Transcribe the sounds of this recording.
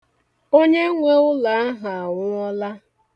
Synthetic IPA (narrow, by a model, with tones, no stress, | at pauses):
o˦ɲe˦ŋʷe˦ʊ˦la˨a˦ɦa˨ŋʷʊ˦ɔ˦la˦